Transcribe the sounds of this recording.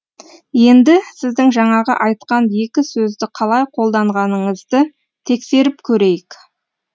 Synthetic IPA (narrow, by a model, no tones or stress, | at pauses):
je̞nd̪ɪsɪzd̪ɪŋʒɑɴɑʁə̰ʔɑjt̪̚qɑnje̞kʲɪsɵzd̪ɪqʰɑlˠɑjqʰo̞lˠd̪ɑɴʁɑnəɴəzd̪ə | t̪ʰe̞kse̞ɾɪpkʲʰɵɾe̞jɪk